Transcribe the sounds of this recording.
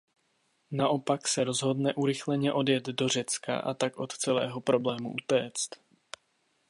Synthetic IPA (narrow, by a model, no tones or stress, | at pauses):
naʔo̞paksɛɾo̞zɦo̞dnɛʔuɾɪxlɛɲɛʔo̞djɛd̪do̞r̝ɛt͡ska̰ʔa̰t̪akʔo̞t̪t͡sɛlɛ̰ːɦo̞pɾo̞blɛːmṵʔut̪ɛːt͡st̪